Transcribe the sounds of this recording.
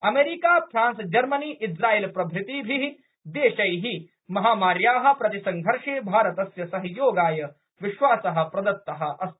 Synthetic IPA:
ɐmeːɾikaːpʰɾãːnsd͡ʒɐɾmɐniːʔɪd͡ʒɾaːiːlpɾɐbʱɾɪt̪ibʱiɦ | d̪eːʃɐjɦi | mɐɦaːmaːɾjaːɦɐ̆pɾɐt̪isɐŋɡʱɐɾʂeːbʱaːɾɐt̪ɐsjɐsɐɦjoːɡaːjɐ | ʋɪʃʋaːsɐɦɐ̆pɾɐd̪ɐt̪ːɐɦɐ̆ʔɐs

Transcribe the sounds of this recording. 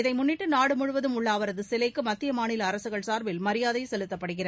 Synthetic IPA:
ɪðɐɪmʊnːɪʈːɯnaːɽɯmʊɻɯʋɐðɯmʊɭːaːʋɐɾɐðɯsɪlɐɪkːɯmɐt̪ːɪjɐmaːnɪlɐːɾɐsɯɣɐɭsaːɾʋɪlmɐɾɪjaːðɐɪsɛlɯt̪ːɐpːɐɽɯɣɪrɐ

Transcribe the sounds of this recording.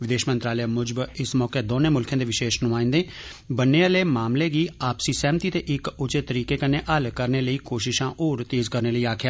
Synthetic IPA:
ʋɪd̪eːʃmənt̪ɾaːləjaːmʊd͡ʒbɪsmɔːkeːd̪oːnẽːmʊlkʰãːd̪eːʋɪʃeːʃnũaːĩːnd̪eː | bənːeːəleːmaːmleːɡiːaːpsiːsɛ̃ːmt̪iːt̪eːʔɪkʊt͡ʃet̪əɾiːkeːkəneːʔəlkəɾneːləiːkoːʃɪʃãːʔoːɾt̪eːzkəɾneːləiːaːkʰjaː

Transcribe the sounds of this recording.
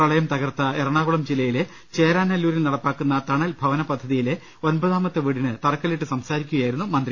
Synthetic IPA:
prɐɭɐjɐmt̪ɐɣɐrt̪ːɐerɐɳaːɣuɭɐmd͡ʑilɐjile | t͡ɕeːɾaːnːɐlːuːɾilnɐɽɐpːaːkːunːɐt̪ɐɳɐlbʱɐʋɐnɐpɐd̪ʱːɐðijile̞ | o̞nbɐðaːmɐt̪ːeʋiɽinɨt̪ɐrɐkːɐliʈːɨsɐmsaːɾikʲːuɣɐjaːjiɾunːumɐnd̪ri

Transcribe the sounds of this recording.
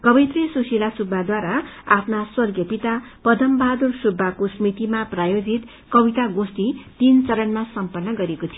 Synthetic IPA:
kʌbit̪risusilasubʱːad̪waɾaapʰnaswʌrɡjʌpit̪apʌd̪ʱʌmbad̪ursubʱːakosmit̪imaprajod͡zit̪ | kʌbit̪aɡost̪it̪int͡sʌɾʌnmasʌmpʌnːʌɡʌɾekot̪ʰijo

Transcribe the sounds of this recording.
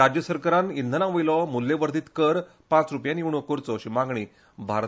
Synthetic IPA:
ad͡ʑjəsəɾkaɾanind̪ʱənãʋojlɔmulːeʋəɾd̪ʱiːt̪kəɾ | pãt͡sɾupjaniʋɳokoɾt͡sɔɕimãɡɳiː | bʱaɾ

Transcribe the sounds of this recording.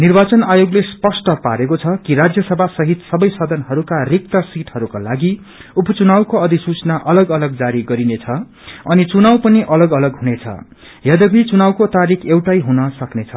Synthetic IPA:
nirbat͡sʌnajoɡlespʌsʈʌpa̰ɾekot͡sʰʌkiɾad͡zjʌsʌbʱasʌɦit̪sʌbʌjsʌd̪ʱʌnɦʌɾukarik̚t̪ʌsiʈɦʌɾukala̰ɡi | upʌt͡sunawkoʌd̪ʱisut͡snaʔʌlʌɡʌlʌɡd͡zaɾiɡʌɾinet͡sʰʌ | ʌnit͡sunawpʌniʔʌlʌɡʌlʌɡɦunet͡sʰʌ̰ | jʌd̪ʌbʱit͡sunawkot̪aɾikʰewʈajɦunʌsʌknet͡sʰʌ

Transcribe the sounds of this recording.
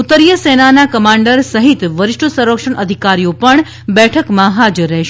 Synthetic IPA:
ut̪ːəɾjəsenanakəmãɳɖəɾsəɦit̪ʋəɾɪʂʈəsəɾəkʂəɳʔəd̪ʱikaɾijopəɳ | bɛʈʰəkmãɦad͡ʒəɾːɛʃ

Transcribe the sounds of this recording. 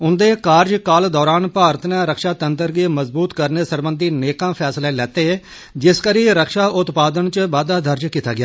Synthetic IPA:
ʊnd̪eːkaːɾd͡ʒkaːld̪ɔːɾaːnpaːɾt̪ʰnãːɾəkʃaːt̪ənt̪əɾɡiːməzbuːt̪kəɾneːsəɾbənd̪ʱiːneːkãːpʰɛːslaeːlɛːt̪eːɛː | d͡ʒɪskəɾiːɾəkʃaːʔʊt̪paːd̪ənt͡ʃbaːd̪aːd̪əɾd͡ʒkiːt̪a̰ːɡɪja̰ː

